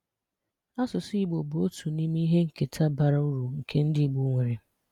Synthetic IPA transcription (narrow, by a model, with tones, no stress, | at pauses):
a˦sʊ˨si˦˨ɡ͡bo˨bu˨o˦tʰu˨ni˦mi˦ɦe˦ŋ̩˨ke˨tʰa˦ba˨ɾa˦u˦ɾu˨ŋ̩˨kʰe˦n̩˦dɪ˦˨ɡ͡bu˦ŋʷe˨ɾe˨